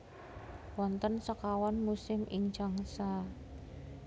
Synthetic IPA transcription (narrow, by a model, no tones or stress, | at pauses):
wɔnt̪ənsəkawɔnmusɪmʔɪŋ̥d͡ʒ̥aŋsa